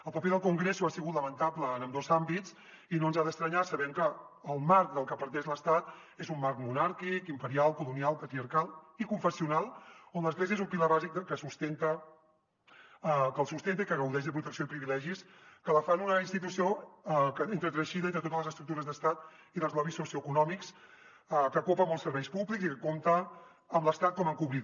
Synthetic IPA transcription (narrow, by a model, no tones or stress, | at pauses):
əlˠpəpeðəlˠkuŋɡɾesuasiɣut̪ləmənt̪aplənəmd̪ozambitt͡s | inoənzaðəst̪ɾəɲasəβɛmkəːlˠmaɾk̚d̪əlˠkəpəɾt̪ɛʃləst̪at̪ | ezumːaɾkmunaɾkikimpəɾialˠkulunialˠpət̪ɾiəɾkalˠikuɱfəsiunalˠonləzɣleziəezumpiləβazik̚d̪əkːəsust̪ent̪ə | kəlˠsust̪ent̪̬ikəɣəwðɛʒðəpɾut̪əksioipɾiβilɛʒiskələfanunəinst̪it̪̬usiokəent̪ɾət̪ɾəʃiðənt̪ɾət̪ot̪əzlˠəzəst̪ɾukt̪uɾəzðəst̪at̪ | iðəlˠzlɔβisosiokunɔmiks | kəkopəmɔlˠsəɾβɛjspuβliksikəkomt̪əː | mləst̪at̪̚kɔməŋkuβɾit̪